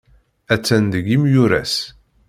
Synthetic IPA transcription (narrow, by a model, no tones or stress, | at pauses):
æt͡sːænd̪əɡimjuɾæ̰s